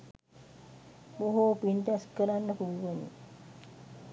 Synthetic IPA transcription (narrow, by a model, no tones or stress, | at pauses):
boɦoːpint̪ɛskəɾanːəkuluʋənḭ